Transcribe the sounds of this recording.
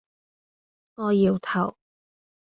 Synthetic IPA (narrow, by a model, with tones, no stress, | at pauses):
ŋɔː˨˧jiː˨˧wt̪ʰɐ˨˩w